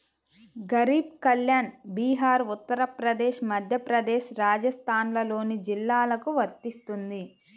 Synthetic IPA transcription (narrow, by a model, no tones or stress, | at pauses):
ɡɐɾiːb̚kɐljaːnbiːɦaːɾut̪ːɐɾɐpɾɐd̪eːʃmɐd̪ʱjɐpɾɐd̪ɛːʃɾaːd͡ʒɐst̪ʰaːnlɐlo̞ːnid͡ʒilːaːlɐkuʋɐɾt̪ist̪und̪i